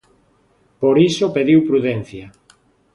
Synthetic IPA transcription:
poɾisopeðiwpɾuðɛn̟θjɐ

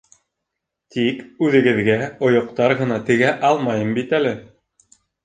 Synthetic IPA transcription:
t̪ʰikʉðɘ̆ɡɘ̆ðɡæŏjŏqt̪ɑɾʁɤ̆nɑt̪ɘ̆ɡæʔɑlˠmɑjɤmbit̪ælɘ

